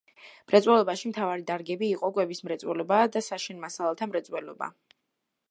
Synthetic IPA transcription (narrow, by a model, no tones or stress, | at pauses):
mɾɛt̪sʼwɛlɔbaʃimt̪ʰavaɾid̪aɾɡɛbiːqʼɔkʼwɛbismɾɛt̪sʼwɛlɔbad̪asaʃinmasalˠɛlˠt̪ʰamɾɛt̪sʼwɛlɔba̰